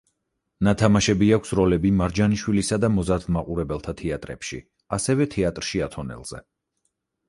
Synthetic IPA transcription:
nat̪ʰamaʃɛbiakʷʰsɾɔlɛbimaɾd͡ʒaniʃwilisad̪amɔzaɾd̪maqʼuɾɛbɛlˠt̪ʰat̪ʰɛat̪ʼɾɛ̰pʃḭ | asɛvɛt̪ʰɛat̪ʼɾʃiat̪ʰɔnɛ̰lˠz̥ɛ̰

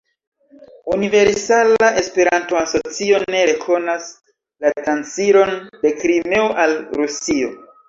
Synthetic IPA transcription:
unive̞ɾsalaʔe̞spe̞ɾanto̞aso̞t͡sio̞ne̞ɾe̞kʰo̞nas | latɾant͡siɾo̞nde̞kɾimeoʔalɾusio̞̰

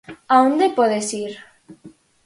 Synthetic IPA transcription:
aond̪epoðesiɾ

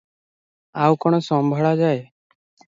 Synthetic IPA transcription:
awkɔɽ̃ɔsɔmbʱɔɭad͡ʒae

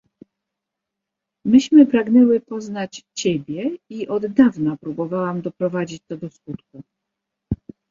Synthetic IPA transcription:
mɘɕmɘpɾaɡnɛwɘpɔznat͡ɕt͡ɕɛbʲjɛiʔɔd̪ːavnapɾubɔvawamd̪ɔpɾɔvad͡ʑit͡ɕt̪ɔd̪ɔskut̪ku

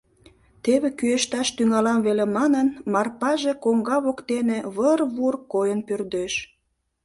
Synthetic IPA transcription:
t̪eβekyeʃt̪ɑʃt̪yŋɑlɑmβelemɑnənmɑrpɑʒekoŋɡɑβokt̪eneβərβurkojənpørd̪eʃ

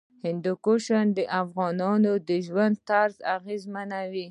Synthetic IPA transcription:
hɪnd̪ukoʃand̪əʔafɣɑnɑnod̪əʒwand̪̚t̪aɾza̰ɣezmanawi

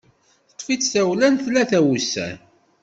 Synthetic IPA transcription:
θət̪ˤːfit͡sːθæwlænθlæθæwusæ̰

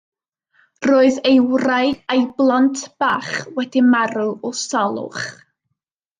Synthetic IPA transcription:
roːɨðejwrajejblˠantʰb̥aːχwɛdimaɾʊɔsalˠʊ̰χ

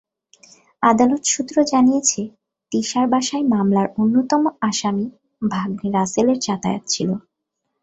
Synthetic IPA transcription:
ad̪alot̪ʃut̪ːɾod͡ʑanijet͡ɕʰe | t̪iʃaɾbaʃaemamlaɾonːot̪ɔmoaʃami | bʱaɡniɾaseleɾt͡ɕat̪a̰jo̰t̪̚t͡ɕʰilo

